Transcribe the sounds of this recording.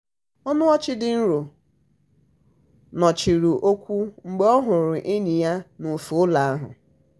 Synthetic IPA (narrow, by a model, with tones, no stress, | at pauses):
ɔ˦nʊ˦ɔ˦t͡ʃɪ˦dɪ˨n̩˦ɾo˨ | nɔ˨t͡ʃi˨ɾu˨ʔo˦kʷu˦ŋ͡m̩˨ɡ͡be˦ɔ˦ɦʊ˨ɾʊ˨ʔe˦ɲi˨ja˦nʊ˨fʊ˨ʊ˦la˨a˦ɦʊ̰˨